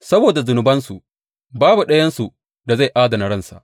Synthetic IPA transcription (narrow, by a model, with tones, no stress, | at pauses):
sɐ˦boː˨da˨zʊ˨nʊ˨bɐ˦nsu˨ʔ | baː˦bu˨ɗɐ˦jɐ˦nsu˨ | da˨za˦˨jʔaː˦dɐ˨na˨ɽɐ˦˨nsa̰˨ʔ